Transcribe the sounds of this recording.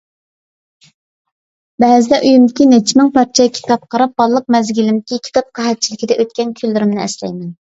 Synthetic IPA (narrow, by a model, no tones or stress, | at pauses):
bɛzɪd̪ɛʔyjymd̪ɪkʲinɛt͡ʃʰmɪŋpɑɾt͡ʃʰɛkʲʰi̥t̪ɑp̚qʰɑɾɑp̚bɑlˠlˠəq̚mɛzɡʲilɪmd̪ɪkʲikʲʰi̥t̪ɑp̚qʰɑɦɛt̪̚t͡ʃʰilɪkʲid̪ɛʔøt̪̚kʲɛnkʲʰylːɪɾɪmnɪɛ̰slɛ̰jmɛn